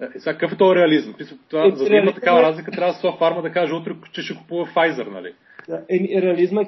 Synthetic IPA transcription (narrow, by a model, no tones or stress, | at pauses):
ɛsɛakkəfɛt̪ɔjɾɛɐlizmpisət̪ovazɐimət̪ɐ̥kavɐɾazlikət̪ɾʲavəsɔafaɾməd̪ɐkaʒɛut̪ɾɛt͡ʃɛʃɛkʊ̥puvɐfajzɛɾnɐ̰lḭ | aɛmiɾɛɐlizmɛ